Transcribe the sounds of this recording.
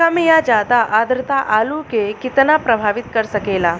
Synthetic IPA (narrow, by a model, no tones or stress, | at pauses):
kəmjad͡ʑad̪aʔad̪ɾɨt̪aʔalukekit̪napɾəbʱaʋit̪kəɾsəkela